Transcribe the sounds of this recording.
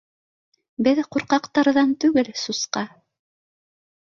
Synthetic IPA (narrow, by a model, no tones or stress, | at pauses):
bɘðquɾqɑqt̪ɑɾðɑnt̪ʉɡɘlsusqɑ